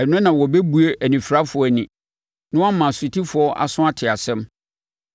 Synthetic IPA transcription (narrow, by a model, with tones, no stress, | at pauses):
ɛ˨nʊ̃˦nã˨wɔ˨bɛ˦bu˨e˦ʔæ˨nĩ˨fɾa˦fʊ˨ɔ˦˨nɪ̃˨ | nʊ̃˦a˦mã˨sʊ˨tʰi˦fʊ˨ɔ˦ʔa̰˨sʊ̃˦a˦tʰɪ˨a˨sɛ̃˦m